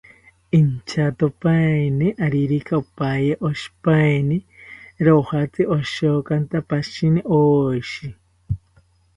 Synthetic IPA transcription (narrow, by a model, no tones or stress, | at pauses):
int͡ʃʰat̪opaniʔaɾiɾikaopajeʔoʃi̥pajniɾohat͡sɨʔoʃokant̪apaʃiniʔoʃi